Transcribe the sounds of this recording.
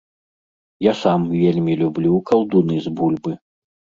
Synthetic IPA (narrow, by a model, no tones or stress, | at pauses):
jasamvʲelʲmʲilʲublʲukɐwd̪unɨzbulʲbɨ